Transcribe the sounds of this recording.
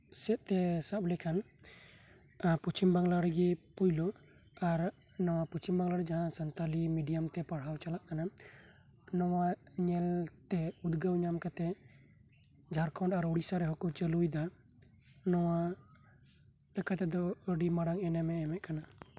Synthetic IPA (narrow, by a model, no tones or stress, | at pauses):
sɛt̪̚t̪ɛsaplɛkʰan | put͡ʃimbaŋlaɾɛɡɛpujlɔ | aɾ | nɔwapust͡ʃimbaŋlaɾɛd͡ʒaɦãsənt̪alimiɖijamt̪ɛpaɽɦawt͡ʃalaʔkana | nɔwaɲɛlt̪ɛud̪ɡəwɲamkat̪ɛ | d͡ʒʱaɾkʰɔɳɖaɾuɽisaɾɛɦɔkɔt͡ʃəlujd̪a | nɔwa | lɛkʰat̪ɛd̪ɔəɖimaɽaŋɛnɛmɛːmɛt̪ʔ̚kana